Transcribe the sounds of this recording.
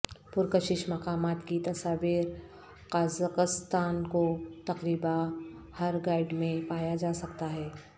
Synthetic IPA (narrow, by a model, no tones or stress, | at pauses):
pʊɾkəʃɪʃmɐqaːmaːt̪kit̪ɐsaːʋiːɾ | qaːzaqɪst̪aːnkot̪ɐqɾiːbahɐɾɡaːɪɖmẽpaːjad͡ʒaːsɐkt̪aɦɛː